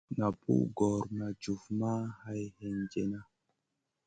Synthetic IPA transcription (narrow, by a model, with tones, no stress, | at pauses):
na˨pṵ˦ɡɔ˨ɾna˨d͡ʒu˨fma˦ha˦jhɛ˧nd͡ʒe˦na˦